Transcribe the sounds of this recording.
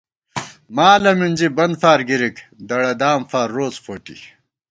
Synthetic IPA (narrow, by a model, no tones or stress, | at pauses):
maːlɐminʲd͡ʑibɐnd̪faːɾɡiɾikd̪ɐɽɐd̪aːmfaːɾːoːt͡sfoːʈḭ